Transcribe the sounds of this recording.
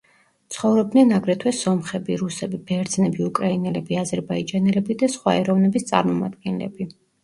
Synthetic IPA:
t̪sʰχɔvɾɔb̚d̪nɛnaɡɾɛt̪ʰwɛsɔmχɛbiɾusɛbib̥ɛɾd̪znɛbiukʼɾainɛlɛbiazɛɾbaid͡ʒanɛlɛbid̪asχwa̰ɛɾɔvnɛbist̪sʼa̰ɾmɔma̰d̪̚ɡɛnlɛ̰bi

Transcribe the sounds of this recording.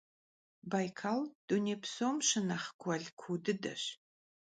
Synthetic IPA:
bajkʰald̥uneːpʰsomʃɨnaχkʷʰɐɮkʷʰudɨdɐ̰ɕ

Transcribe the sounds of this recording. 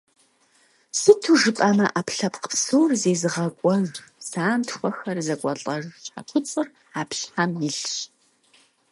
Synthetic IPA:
sɨtʰuʒɨpʼɐmɐʔapʰɬɐpqə̥psowrzeːzɨʁɐkʷʼɔɣsaːntxʷɔxɐrzɐkʷʼɔɬʼɐʒʃħa̰kʷʰʊt͡sʼɨr | aːpɬħamjɪɬɕ

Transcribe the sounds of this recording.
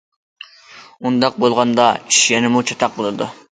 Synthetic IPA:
und̪ɑq̚bolˠʁɑnd̪ɑiʃjɛnɪmut͡ʃʰɑt̪ʰɑq̚bɨlˠɨd̪ṵ

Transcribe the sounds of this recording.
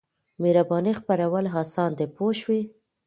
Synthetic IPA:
meɾabɑnixpaɾawəlɦɑsɑnd̪epoʃwi

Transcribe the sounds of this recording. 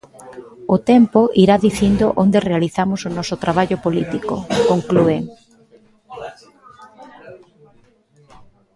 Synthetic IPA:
ʊt̪ɛmpoʔiɾaðiθind̪ʊʔond̪erealiθamʊsʊnɔsʊt̪ɾaβ̞aʎʊpolit̪iko̰koŋklueŋ

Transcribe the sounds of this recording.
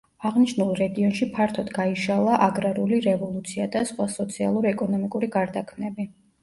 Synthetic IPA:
aʁniʃnulˠɾɛɡiɔnʃipʰaɾt̪ʰɔd̪ɡaiʃalˠaʔaɡɾaɾuliɾɛvɔlˠut̪sʰiad̪asχwasɔt̪sʰialˠuɾiɛkʼɔnɔmikʼuɾiɡaɾd̪akʰmnɛbi

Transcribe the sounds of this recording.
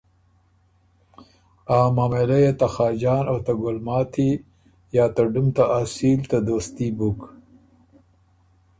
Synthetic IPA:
aːmaːmelɐjet̪axɑːd͡ʒɑːnot̪aɡʊlmɑːt̪ʰi | jaːt̪ɐɖumt̪aʔasiːlt̪ad̪oːst̪ibuk

